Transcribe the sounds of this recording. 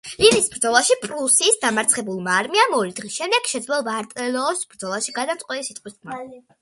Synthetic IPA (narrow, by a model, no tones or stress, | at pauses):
linisbɾd̪zɔlˠaʃipʼɾusisd̪amaɾt̪sʰχɛbulˠmaːɾmiamɔɾid̪ʁisʃɛmd̪ɛɡ̥ʃɛd̪zlɛlˠɔbaːɾt̪ʼɛlɔːsb̥ɾd̪zɔlˠaʃiɡad̪at̪ʼqʼwɛnisit̪ʼqʼwisʰmaa